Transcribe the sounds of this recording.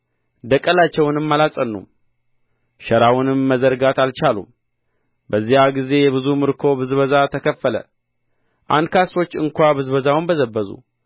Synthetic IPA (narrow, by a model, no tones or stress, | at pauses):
d̪əkʼːəlat͡ʃːɛwnɨmːalasʼənːṵm | ʃəɾawunɨmːəzəɾɡat̪alt͡ʃalṵm | bəzːihaɡize̞jɛβɨzumɨɾkʰo̞bɨzβəzat̪ʰəkʰəfːələ̰ | ʔa̰nd̪kʰaso̞t͡ʃːɨŋkʷabɨzbəzawnbəzəbːəzṵ